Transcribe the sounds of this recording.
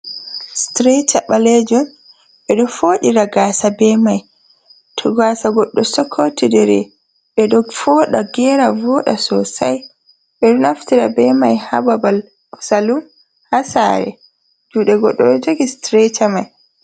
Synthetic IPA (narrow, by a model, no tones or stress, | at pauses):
stɾetʰaɓaled͡ʒɔn | ɓɛɗɔfoːɗiɾaɡasabɛmaj | tʰɔɡaːsaɡɔɗːɔsɔkʰːotidɛɾɛ̰ | ɓɛɗɔɡfɔɗaɡɛɾavɔɗasɔsaj | ɓɛɗɔnaftiɾabɛmajha̰babal | ɔsalum | hasa̰ɾɛ̰ | d͡ʒuːɗɛɡɔɗːɔɛd͡ʒoɡistɾetʰamaj